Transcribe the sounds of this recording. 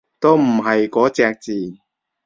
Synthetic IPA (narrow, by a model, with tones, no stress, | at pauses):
t̪o˥wm̩˨˩ɦɐ˨jkɔː˨˥t͡sɛː˧k̚t͡siː˨˩